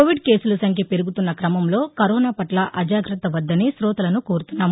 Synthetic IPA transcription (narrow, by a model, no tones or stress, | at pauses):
oːʋiɖke̞ːsulɐsɐŋkʰjɐpeɾuɡut̪unːɐkɾɐmɐmlo̞ːkɐɾoːnaːpɐʈlɐʔɐd͡ʒaːɡɾɐt̪ɐʋɐd̪ːɐneːsɾɔːt̪ɐlɐnukoːɾut̪unːaːm